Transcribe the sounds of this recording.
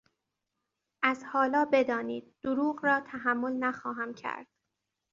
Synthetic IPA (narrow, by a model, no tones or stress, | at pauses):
ʔæzhɒːlɒːbe̞d̪ɒːniːd̪̚ːoɾuːɣrɒːt̪ʰæɦæmːo̞lnæxɒːɦæmcʰæ̰ɾd̪̥